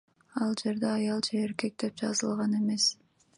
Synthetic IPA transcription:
ɑlˠd͡ʒe̞ɾd̪eɑjɑlˠd͡ʒeːɾke̞k̚d̪e̞p̚d͡ʒɑzɯlˠʁɑne̞me̞s

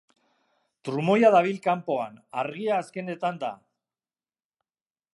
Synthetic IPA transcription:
t̪ɾumo̞jaðaβ̞ilkampo̞anaɾɣiaːske̞ne̞t̪and̪a̰

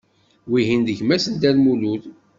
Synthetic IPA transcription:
wiɦind̪əçmæsənd̪ælmuluð

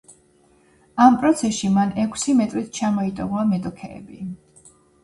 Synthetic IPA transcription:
ampʼɾɔt̪sʰɛsʃimanɛkʷʰsimɛt̪ʼɾit̪̚ʰt͡ʃʰamɔit̪ʼɔʁɔamɛt̪ʼɔkʰɛ̰ɛ̰bi

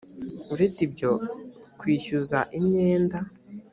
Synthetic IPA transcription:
uɾe̞t͡sibɟo̞kwiːʃuzaʔimɲe̞ːnda

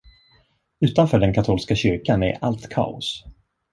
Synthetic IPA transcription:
ʉ̟ːt̪anfœːɖɛnkʰat̪ʰuːlskaɕʏɾkanɛ̰ɾalt̪kʰa̰ːʊ̰s

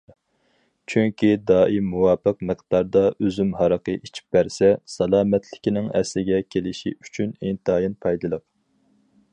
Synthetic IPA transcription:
t͡ʃʰyŋkʲid̪ɑːimuwɑːpɨq̚mɨqd̪̥ɑɾd̪ɑʔøzymɦɑɾəqəʔit͡ʃʰi̥p̚bæɾsɛsɑlˠɑːmɛt̪ʰlɪkʲinɪŋɛ̰slɪɡʲɛkʲʰelɪʃiyt͡ʃʰynint̪ʰɑːjinpʰɑjd̪ɨlˠəq̚

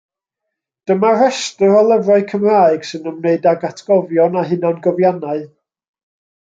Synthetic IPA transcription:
d̥əmarɛstəɾɔlˠəvraɨkʰəmraɨɡ̥sɨnəmneɨdaɡatʰɡ̥ɔvjɔnaɦɪnanɡɔvjanaɨ

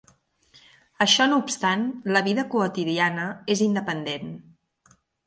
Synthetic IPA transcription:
əʃɔnuːpst̪anləβ̞iðəkuət̪iðianəezind̪əpənd̪en

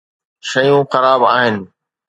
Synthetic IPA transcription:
ʃɐjũxɐɾaːbaːɦɪnɪ̆

